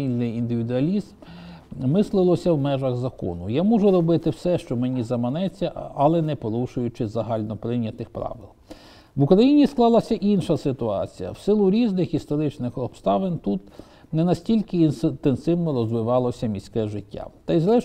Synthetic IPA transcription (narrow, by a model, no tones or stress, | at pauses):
ilʲnɪjind̪ɪʋʲid̪ʊɐlʲizm | mɪslˠɪlˠɔsʲɐwmɛʒɐɣzɐkɔ̰nʊjamuʒʊɾɔbɪt̪ɪwsɛʃt͡ʃɔmenʲizɐmɐnɛt͡sʲːɐɐlˠɛnɛpɔɾuʃʊjʊt͡ʃɪzɐɦɑlʲnɔpɾɪnʲːɐt̪ɪxpɾɑ̰ʋɪ̰lˠ | ʋʊkɾɐjinʲisklˠɑlˠɐsʲɐʔinʃɐsɪt̪ʊɑ̰t͡sʲijɐ̰wsɪlˠʊɾʲiznɪxist̪ɔɾɪt͡ʃnɪxɔpst̪ɑʋɪnt̪ut̪ | nɛnɐsʲtʲilʲkɪinnt̪ensɪwnɔɾɔzʋɪʋɑlˠɔsʲɐmʲisʲkɛʒɪtʲːa̰t̪ɐjzɾɛʃ